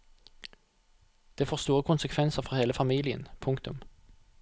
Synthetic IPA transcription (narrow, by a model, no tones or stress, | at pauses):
d̪̥eːfoːst̪uːʁəkʰʊnsəkʰʋɛnsəʁfɔʁheːləfɑmiːlɪə̰npʰʊŋkt̪ʊm